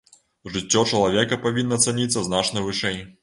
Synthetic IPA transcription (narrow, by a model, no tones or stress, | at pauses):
ʐɨt͡sʲːɔt͡ʂɐlˠavʲɛkɐpavʲinːɐt̪sanʲit̪sːɐznat͡ʂnɐvɨʂɛj